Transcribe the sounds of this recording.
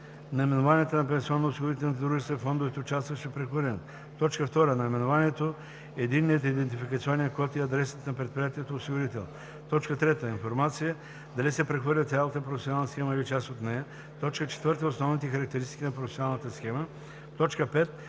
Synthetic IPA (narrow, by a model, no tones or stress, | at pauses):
nɐimɛnovanijɛt̪onɐp̬ɛ̃nsiɔnːoʊsiɡoɾit̪ɛlˠnit̪ɛd̪ɾuʒist̪vɐifɔnd̪ovit̪oːt͡ʃast̪vɐʃɛpɾɛxvəɾlʲɛn | t̪ɔt͡ʃkəft̪ɔɾənɐimɛnovaniɛt̪o | ɛd̪inːiət̪id̪ɛnt̪ifikəɐt̪siɔniɐkoat̪ɛɐd̪ɾɛsə̥t̪nɐpɾɛt̪̚pɾijat̪iɛt̪oosiɡoɾit̪ɛlˠ | t̪ɔt͡ʃkət̪ɾɛt̪əinfoɾmat̪sijə | d̪ɐlisɛpɾɛxvəɾlʲət̪sʲjalˠət̪əpɾofɛsʲonalˠnəsxɛməilit͡ʃasot̪nɛjə | t̪ɔt͡ʃkət͡ʃɛ̥t̪vəɾt̪əosnɔvnit̪ɛxɐɾɐk̚t̪ɛɾist̪i̥kʲinɐpɾofɛsʲonalˠnət̪əsxɛmə | t̪ɔt͡ʃkəpɛt̪